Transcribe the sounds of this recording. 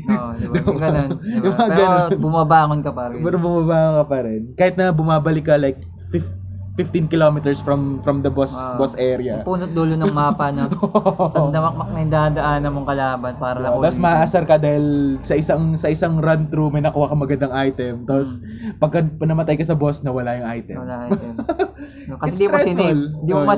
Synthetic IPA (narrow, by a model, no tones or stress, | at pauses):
d̪ɐɡɐnonjʊmɐŋaɡɐnonbʊmɐbaːŋonkɐpɐɾɛnpɛɾobʊmɐbaːŋonkɐpɐɾɛnkaːhɪt̪nɐbʊmaːbɐlɪkːɐlajk̚ | fɪf | fɪft̪ɪnkɪlomɪt̪ɛɹsfɾɐmfɾɐmd̪ɐbosbosʔɛɾɪɐpuːnot̪̚d̪oːlonɐŋmɐɐpanooʔsɐd̪ɐmɐk̚mɐk̚nɐd̪ad̪ɐʔanɐmoŋkɐlaːbɐnpaːɾɐlɐapos̬mɐaʔɐsɐɾkɐd̪aːhɪlsɐʔɪsɐŋsɐʔɪsaŋɾɐnt̪ɾumɐjnɐkuːhɐkɐŋmɐɡɐnd̪ɐŋʔajt̪ɛmt̪aːpos | pɐɡ̚kɐpɐnɐmɐt̪ajkɐsɐbosnɐwɐlajʊŋʔajt̪ɛ̰m | kɐsɛiɾɛsold̪im